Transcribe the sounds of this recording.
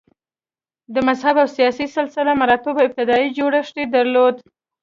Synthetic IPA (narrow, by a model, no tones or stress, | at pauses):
d̪əmazhabawsijɑsisɪlsɪlamaɾɑt̪obawɪb̚t̪ɪd̪ɑid͡ʒoɽaʂʈ̪ed̪aɾlod̪